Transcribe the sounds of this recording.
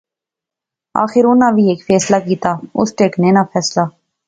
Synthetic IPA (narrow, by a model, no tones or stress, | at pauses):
a̰ːxɪɾʊnãːʋʱiːeːkfʰɛːslaːkiːt̪aːʊ̰sʈeːkneːnaːpʰɛːslaː